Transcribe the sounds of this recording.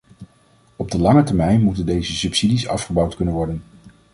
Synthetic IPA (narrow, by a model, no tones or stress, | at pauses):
ɔb̚dəlɑŋətəɹmɛjnmutəndejzəsɵpsidisɑ̰fχəbɑwtkɵnənʋɔɹdən